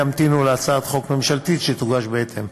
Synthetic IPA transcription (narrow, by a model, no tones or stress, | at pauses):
amt̪inuleat͡saːt̪χo̞kme̞mʃalt̪it̪ʃet̪uɡaʃbeet̪ʰem